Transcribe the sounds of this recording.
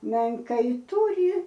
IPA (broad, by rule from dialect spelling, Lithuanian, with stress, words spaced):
mʲɛŋˈkɐɪ ˈtuːrʲɪ